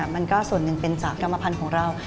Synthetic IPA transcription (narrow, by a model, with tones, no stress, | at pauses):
ma˧nkɔː˥˩su˨˩ənːɯ˨˩ŋpe˧nt͡ɕaː˨˩kkːa˧mːa˧pʰa˧nkʰɔː˩˦ŋɾa˧w